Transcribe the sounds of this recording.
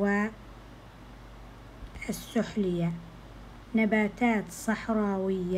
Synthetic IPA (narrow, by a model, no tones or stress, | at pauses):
waː | ʔɪsːʊħlɪjːa | nabaːt̪aːt̪sˤɑħɾˤɑːwɪjːa